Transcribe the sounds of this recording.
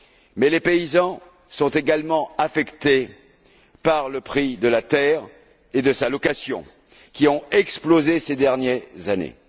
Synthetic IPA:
mɛlepeizɑ̃ | sɔ̃t̪eɡalmɑ̃afɛkt̪e | paʁləpχid̪əlat̪ɛʁ | ed̪əsalɔkasjɔ̰̃ | kʲiɔ̃ɛksplozesed̪ɛʁnjɛzanḛ

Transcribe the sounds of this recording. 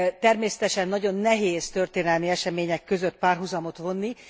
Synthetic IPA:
t̪ɛrmeːsɛ̥t̪ɛʃɛnːɒɟo̞nːɛɦeːzt̪ørt̪eːnɛlmiɛʃɛmeːɲɛkːø̞zøt̪paːrɦuzɒmot̪ʋo̞nːi

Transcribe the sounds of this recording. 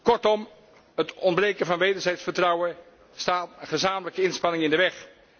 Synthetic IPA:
kɔɹtɔm | ɦətɔndbrejkəvɑnʋejdəɹzɛjtsfəɹtrɑwən | staːtəχəzaːmələkəɪnspɑnɪŋɪndəʋɛχ

